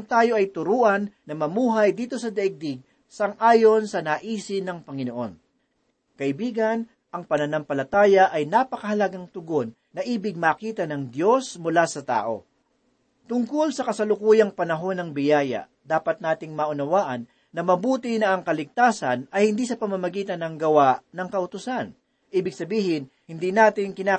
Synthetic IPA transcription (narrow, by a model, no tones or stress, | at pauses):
ɐŋt̪aːjo̞ʔɐjt̪ʊɾuːʔɐnːɐmɐmuːɦɐjd̪iːt̪o̞sɐd̪ɐʔɪɡ̚d̪ɪɡ̚ | sɐŋʔaːjo̞nsɐnaːʔiːsɪnɐŋpɐŋɪnoʔo̞̰n | kɐʔɪbiːɡɐn | ʔɐŋpɐnɐnampɐlɐt̪aːjɐʔɐjnapɐkɐhɐlɐɡaŋt̪ʊɡo̞nːɐʔiːbɪɡ̚maːkiːt̪ɐnɐŋd̪jo̞smʊlasɐt̪a̰ːʔo̞̰ | t̪ʊŋkolsɐkɐsɐlʊkuːjɐŋpɐnɐɦo̞nɐŋbɪjaːjɐ̰ | d̪aːpɐt̪̚naːt̪ɪŋmɐʔʊnɐwaːʔɐnː | ɐmɐbuːt̪ɪnɐʔɐŋkɐlɪɡ̚t̪aːsɐnɐjhɪnd̪iːsɐpɐmɐmɐɡiːt̪ɐnɐŋɡɐwaʔnɐŋkɐʔʊt̪ʊsan | ʔiːbɪɡ̚sɐbiːhɪn | hɪnd̪inaːt̪ɪnkɪnaː